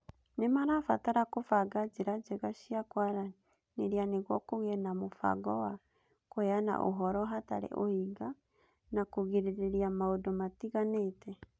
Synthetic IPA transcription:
nemaɾafataɾakofaɡad͡ʒeɾad͡ʒeɣaʃiakwaɾa | neɾianeɣwɔkoɣɛnamofa̰ɡɔwa | koɛana̰ʔo̰ɦɔɾɔɦata̰ɾɛ̰ʔohiɡa | nakoɣiɾeɾeɾiamaodomatiɣaneːtʰɛ

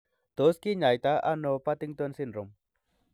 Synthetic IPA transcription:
d̪̥oskiɲajt̪aanopat̪ɪŋt̪uansinɾʊm

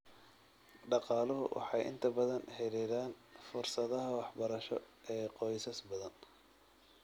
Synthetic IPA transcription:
ɖɑqɑːlɐɦʊwʔɑ̰ħɑjʔɪ̰nt̪ʰɐbɐðɐnhɛlɛðaːnfʊrsɐðɐɦɐwɑħbɐɾɐʃɔ̰ | ʔɛːqɔjsɐsbɐðɐn

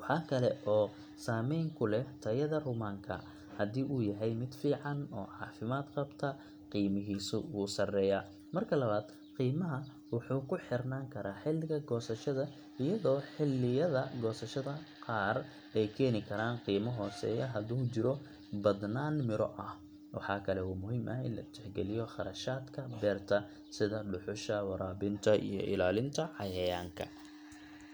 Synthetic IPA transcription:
wɑħɑːkʰɐlɛ̰ʔɔː | saːmɛjŋkʰʊlɛt̪ʰɐjɐðɐrʊmaːŋkʰɐ̰ | hɐðiːʔuːjɐɦɛjmɪd̪fiːʕɑnɔ̰ːʕɑːfɪmaːd̪qɐbt̪ʰɐ | qiːmɪɦiːsʊwuːsɐrɛːjɐ | mɐrkʰɐlɐβaːd̪ | qiːmɐɦɐ | wɑħuːkʰʊħɪrnaːŋkʰɐɾaːħɪlɪɣɐɡɔːsɐʃɐðɐ | ɪjɐðɔːħɪlːɪjɐðɐɡɔːsɐʃɐðɐqɑːr | ɛjkʰɛːnɪkʰɐɾaːnqiːmɐɦɔːsɛ̰ːjɐɦɐd̪uːt͡ʃɪɾɔ | bɐd̪naːnmɪɾɔ̰ʔɐh | wʔɑ̰ħɑːkʰɐlɛwɑːmʊɦiːmʔɐɪ̰nlɐ̰t͡ʃ̪ʰɪħɡɛlɪjɔχɑɾɐʃaːd̪kʰɐbɛːrt̪ʰɐ | sɪðɐɖʊħʊʃɐwɑɾaːβɪnt̪ʰɐʔḭjɔ̰ʔɪ̰laːlɪnt̪ʰɐħɑjɐjaːŋkʰɐ̰

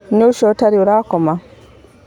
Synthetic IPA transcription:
ɲoʃotaɾioɾaːkoma

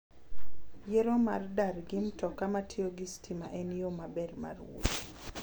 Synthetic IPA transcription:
jeɾoma̰rdarɡɪmtɔkamatʰɪoɡɪstʰima̰ʔɛnjomabɛdma̰rwo̰t

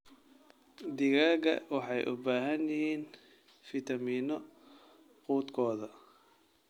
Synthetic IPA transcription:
d̪ɪɣaːɣɐ̰wɑħɑjʔʊ̰baːɦɐnjɪhiːn | fit̪ʰɐmiːnɔ | quːd̪kʰɔːðɐ

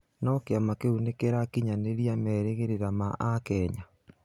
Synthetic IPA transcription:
nɔkeamakeunekeɾakiɲaneɾjamɛɾeɣeɾeɾamaʔakɛɲa

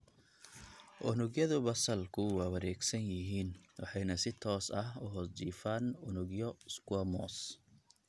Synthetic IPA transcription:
ʔʊnʊɡjɐðʊbɐsɐlkʰʊwɑːwɐɾɛːɡsɐnjɪɦiːnwʔɑħɑjnɐsɪt̪ʰɔːsɐɦʊɦɔsd͡ʒiːfaːnʊnʊɡjɔskwɔːmɔ̰ːs

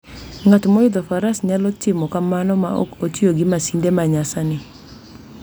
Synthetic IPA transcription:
ŋatmɔɪd̪ɔfaɾasɲalɔtɪmɔkamanɔma̰o̰kotioɡɪmasindemaɲasanɪ

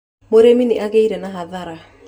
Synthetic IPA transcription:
moɾeminiʔaɣeiɾɛnaɦaðaɾa

